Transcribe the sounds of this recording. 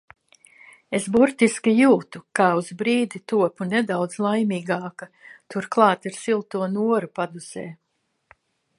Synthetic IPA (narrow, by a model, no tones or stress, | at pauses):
esbuɾt̪iskʲijuːt̪ukaːuzbɾiːd̪it̪uɔpunɛd̪awd̪zlˠajmiːɡaːkɐt̪uɾklˠɑːt̪iɾsilˠt̪uɔnuɔɾupad̪uz̥ɛː